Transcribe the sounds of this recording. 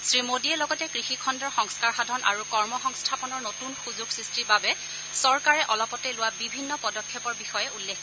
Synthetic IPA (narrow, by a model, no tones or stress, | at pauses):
sɹimodiɛlɔɡɔtɛkɹixikʰɔndɔɹxɔŋskaɹxadʱɔnʔa̰ɹukɔɹmɔxɔŋstʰapɔnɔɹnotunxuzʊɡsɹistibabɛ | sɔɹkaɹɛʔɔlɔpɔtɛlʊwabibʱinːɔpɔdɔkʰːɔpɔɹbixɔjɛulːek